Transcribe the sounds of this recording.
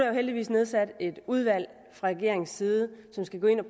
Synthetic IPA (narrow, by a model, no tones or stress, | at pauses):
æɐjoheld̥iʋḭːsne̝ð̞ˠsæd̥e̝d̥uð̞ˠʋæl̰ | fʁɑ̈ʁɛɡ̥e̝ɐe̝ŋsiːð̞ˠəsɒ̽msɡ̥æɡ̥ɔ̽e̝nɒ